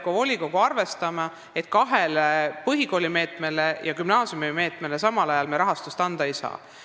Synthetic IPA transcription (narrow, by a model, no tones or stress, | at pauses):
kovo̞lʲiko̞ɡ̥uɑrve̞st̪ɑmɑ | e̞t̪̚kɑɦelpɤɦiko̞ːlʲime̞ːt̪ˑme̞lejɑkymnɑːsjumime̞ːt̪ːˑme̞lesɑmɑlɑjɑlmeɾɑɦɑst̪ust̪ɑnd̪̥ɑejsɑ̰ː